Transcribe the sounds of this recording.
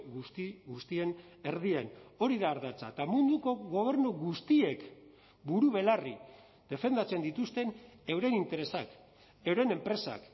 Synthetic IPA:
iɣust̪ie̞n | e̞ɾðieno̞ɾiðaːɾðat͡sa̰t̪amund̪uko̞ɣo̞β̞e̞ɾnuɣust̪ie̞k | buɾuβe̞lari | ð̥e̞fe̞nd̪at͡se̞nd̪it̪ust̪e̞ne̞wɾe̞nint̪e̞ɾe̞sak | e̞wɾe̞ne̞mpɾe̞sa̰k

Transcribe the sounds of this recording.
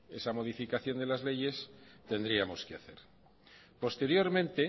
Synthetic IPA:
esamo̞ð̞ifikaθjo̞nd̪e̞lazle̞ʝe̞st̪e̞nd̪ɾiamo̞skeaθe̞̰ɾ | po̞st̪e̞ɾjo̞ɾmẽnt̪e̞

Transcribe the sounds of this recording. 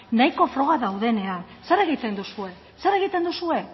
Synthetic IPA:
najko̞fɾo̞ɣ̞aðawðe̞ne̞an | se̞ɾe̞ɣ̞it̪end̪usue̞ | se̞ɾe̞ɣ̞it̪e̞nd̪usue̞

